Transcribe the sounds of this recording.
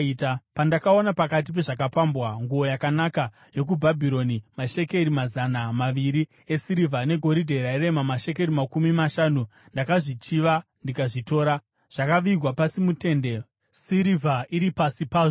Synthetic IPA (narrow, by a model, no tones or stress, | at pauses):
itapandakao̞napakat̬ip̬e̞ʐak̬apambwaŋɡuo̞jakanaka | je̞k̬ubʱabʱiɾo̞nimaʃe̞ke̞ɾimazanamaʋiɾi | esiɾivʱane̞ɡʱo̞ɾidʱe̞ɾaiɾe̞mamaʃe̞k̬e̞ɾimakumimaʃanundakaʐit͡ʃiʋandikaʐito̞ːɾa | ʐ̥akaʋiɡwapasimute̞nde̞ | siɾivʱaʔiɾipasipaːʐo